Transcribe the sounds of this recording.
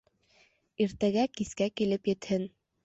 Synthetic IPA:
iɾt̪æɡækiskækilɘpjɘ̆t̪hɘn

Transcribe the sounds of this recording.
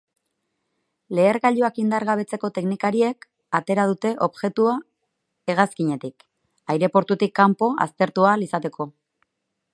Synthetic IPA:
le̞ːɾɣaʎuakind̪aɾɣaβe̞t͡se̞ko̞t̪e̞knikaɾie̞k | at̪e̞ɾað̞ut̪e̞ʔo̞βʝe̞t̪ua | e̞ɣaskiɲe̞t̪ik | ajɾe̞po̞ɾt̪ut̪ikːampo̞a̰st̪e̞ɾt̪ualisat̪e̞kʰo̞

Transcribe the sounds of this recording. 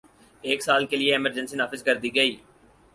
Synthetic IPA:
eːksaːlkelieɪməɾd͡ʒə̃nsinaːfɪzkɐɾd̪iɡəiː

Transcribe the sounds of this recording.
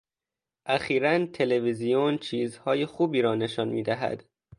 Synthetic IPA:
ʔæxiːɾænt̪ʰe̞levizijont͡ʃʰiːzhɒːjexuːbiːɾɒːne̞ʃɒnmiːd̪æɦæ̰d̪̥

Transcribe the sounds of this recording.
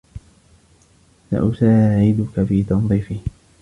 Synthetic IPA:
sa̰ʔʊsaːʕɪd̪ʊkafiːt̪ɑnðˤiːfɪh

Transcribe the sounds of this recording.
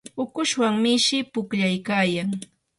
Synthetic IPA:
ʊkʊʃwaŋmɪʃɪpʊkʎajkaːjaŋ

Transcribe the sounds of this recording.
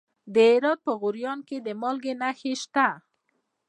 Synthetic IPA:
d̪əɪɾɑd̪̚pəɣʊɾjɑnked̪əmɑlɡenaxeʃt̪a

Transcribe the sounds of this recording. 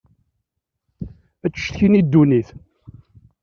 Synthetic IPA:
æt͡sːə̥ʃθçinid̪ːuniθ

